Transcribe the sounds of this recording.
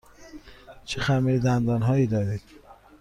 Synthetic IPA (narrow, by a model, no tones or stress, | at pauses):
t͡ʃʰexæmeɾd̪ænd̪ɒːnɦɒːiːd̪ɒːɾid̪̥